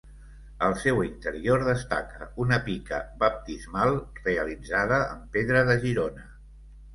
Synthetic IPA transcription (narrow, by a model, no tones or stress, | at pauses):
əlˠsɛwint̪əɾioɾðəst̪a̰kəunəpikə̰bəp̚t̪izmalˠreəlid͡zaðəəmpeðɾəðəʒiɾonə